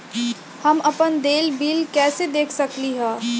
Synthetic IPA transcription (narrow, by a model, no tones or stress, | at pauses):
hɐmɐpənd̪eːlbiːlkɛːsed̪eːkʰsɐkliɦɛ̃ː